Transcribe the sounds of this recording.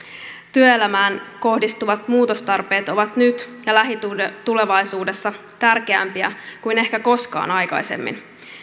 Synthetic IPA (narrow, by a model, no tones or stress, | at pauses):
t̪yøelæmæːnko̞hdist̪uʋɑt̪muːt̪ost̪ɑrpe̞ːt̪o̞ʋɑt̪nyt̪jɑlæɦit̪ut̪ule̞ʋɑjsuːde̞sːɑ | t̪ærke̞æ̰mpiæ̰kujne̞hkæko̞skɑ̰ːnɑjkɑ̰jse̞̰mːḭn